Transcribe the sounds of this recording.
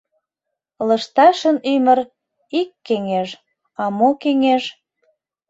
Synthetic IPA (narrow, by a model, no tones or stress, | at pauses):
ləʃt̪ɑʃənyməɾ | ikːeŋeʒ | ɑmokeŋeʒ